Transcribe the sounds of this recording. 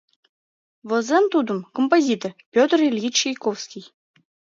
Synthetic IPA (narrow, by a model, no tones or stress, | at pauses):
vɤ̆zemt̪ud̪əmkompozʲit̪orpʲot̪rilʲjit͡ɕejkofskʲij